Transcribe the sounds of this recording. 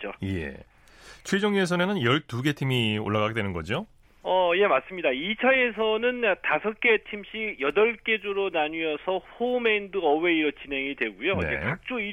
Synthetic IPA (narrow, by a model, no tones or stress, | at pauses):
t͡ɕ͈ojḛ | t͡ɕʰwed͡ʑʌŋɲues̬ʰʌnenɯnjʌɭtuɡe̞tʰimio̰ɭːaɣaɡedwe̞nɯnɡʌd͡ʑio | ʌje̞mas͈ɯmɲidait͡ɕʰae̞sʰʌnɯntasʰʌk͈e̞tʰimɕ͈ijʌdʌɭk͈e̞d͡ʑoɾonaɲuʌsʰʌɸomeindɯʌwe̞iɾʌt͡ɕinɦe̞ŋidwe̞ɡujoneḛkak̚t͡ɕ͈oi